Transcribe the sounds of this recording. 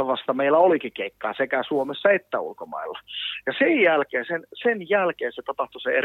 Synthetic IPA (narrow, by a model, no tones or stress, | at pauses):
ʋɑst̪ɑmeilːæolikikeikːɑːsekæsuomesːɑet̪ːæṵlkomɑ̰ilːɑjɑsejjælkeːsensenjælkeːset̪ɑpɑht̪usee